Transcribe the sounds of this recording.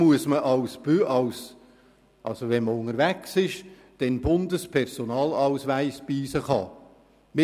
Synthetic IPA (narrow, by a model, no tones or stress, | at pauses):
muəsməʔɑwsb̥øʔɑws | ʔɑ̰lsoʋɛnməʊŋəɾvæksɪʃ | d̥ɛnbʊnd̪əspʰɛɾsonɑːlɑwsʋæɪsb̥iːsəχɑ̰ | mɪ